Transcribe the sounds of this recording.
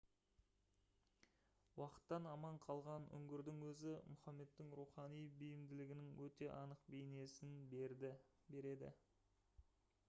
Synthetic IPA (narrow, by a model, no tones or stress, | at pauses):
wɑqə̥t̪ːɑnɑmɑɴqʰɑlˠʁɑnʏ̰ŋɡʲɪɾd̪ɪŋwɵzɪmʊχɑmːe̞t̪ːɪŋɾuχɑnijbɪjɪmd̪ɪlɪɡʲɪnɪŋwɵt̪e̞ʔɑnəq̚bejne̞sɪnbɾ | be̞ɾe̞d̪ɪ̰